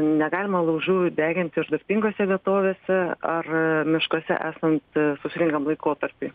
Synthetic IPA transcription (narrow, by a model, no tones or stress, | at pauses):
nʲɛɡɑːlʲɪmɐlˠɐʊʒʲuːd̪ʲæːɡʲɪnʲt̪ʲɪɾd̪ɐɾʲpʲiŋɡoːsʲɛʋʲiɛt̪oːʋʲeːsʲɛɐrmʲɪʃkoːsʲɛ̰ʔæːsɐnt̪sʊsʲɪɾʲɪŋkɐmlˠɐɪkoːt̪ɐɾʲpʲiː